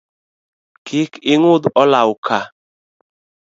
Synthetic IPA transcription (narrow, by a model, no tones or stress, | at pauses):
kʰɪkɪŋʊd̪ɔlaʊkʰa